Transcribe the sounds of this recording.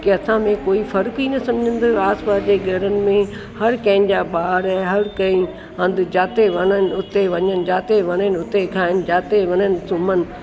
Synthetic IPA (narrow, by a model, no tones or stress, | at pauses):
keɐsãmẽkoːifɐɾkinɐsɐ̃md͡ʑʱə̃n̆d̪oaːsbaːd͡ʑeːɡʱɐɾənɪ̆mẽ | hɐɾkɐ̃ɪ̃n̆d͡ʑaːɓaːɾɛ̃ːɦɐɾkɐ̃ĩ | ɐ̃nd̪d͡ʑaːt̪eʋɐnənɪ̆ʊt̪eʋɐɲənd͡ʑaːt̪eʋɐnənʊt̪ekʰaːɪn̆d͡ʑaːt̪eʋɐɲənɪ̆sʊmənɪ̆